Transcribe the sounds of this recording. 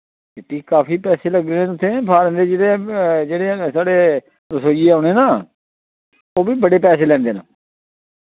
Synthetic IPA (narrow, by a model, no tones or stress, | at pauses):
eʈiːkkaːpiːpɛːseːləɡɾeːnẽːʊt̪ʰːẽːpʰaːɾə̃ːnd̪eːd͡ʒeːɽed͡ʒeːɽesaːɽeː | ɾəsoːd͡ʒiːaːneːnaː | oːbiːbəɽeːpɛːseːlɛːnd̪eːna̰ː